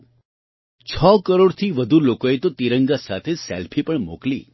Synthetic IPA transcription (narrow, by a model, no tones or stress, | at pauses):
t͡ʃʰɔkəɾoɽt̪ʰiʋəd̪ʱulokoet̪ot̪iɾəŋɡasat̪ʰeselpʰipəɳmoklḭ